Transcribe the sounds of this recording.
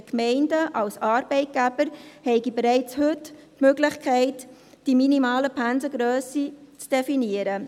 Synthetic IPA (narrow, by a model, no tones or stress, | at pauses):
kmɛɪndəʔɑlsɑːɾb̥ɛɪt̚ɡ̥æbəɾhɛɪɡibeɾɛɪt͡shʏttmøɡlɪχkʰɛɪt | d̥iminimɑːləpʰænzəɡɾœːsit͡sd̥efiniəɾə